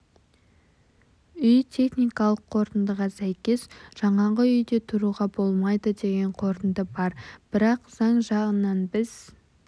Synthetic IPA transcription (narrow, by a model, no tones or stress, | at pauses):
ʏjt̪ʲʰe̞χnijkɑlˠəqʰːo̞ɾt̪ənd̪əʁɑsæjkʲe̞sʒ̥ɑɴɑʁəʏjd̪e̞t̪ʰʊɾuʁɑbo̞lˠmɑjd̪əd̪e̞ɡʲe̞ɴqʰo̞ɾt̪ənd̪əbɑɾb̥ɪɾɑqz̥ɑɴʒɑʁənɑnbɪz̥